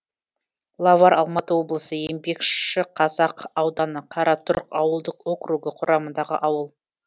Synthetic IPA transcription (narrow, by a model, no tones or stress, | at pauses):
lˠɑvaɾɑlˠmɑt̪əwo̞blˠəsəje̞mbe̞kʃɪqʰɑzɑqɑwd̪ɑnəqʰɑɾɑt̪ʰʊɾqɑwəlˠd̪əqo̞kruɡəqʰʊɾʔɑmənd̪ɑʁə̰ʔɑwəlˠ